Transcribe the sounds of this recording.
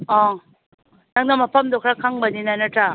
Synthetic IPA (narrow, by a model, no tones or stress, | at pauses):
ɔ̃ | naŋnamapʰamd̪ɔkʰɾakʰaŋbɐninajnaʈʰa